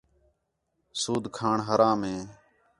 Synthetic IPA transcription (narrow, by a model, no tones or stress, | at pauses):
suːd̪ʱkʰaːɳɦəɾãːmɦẽː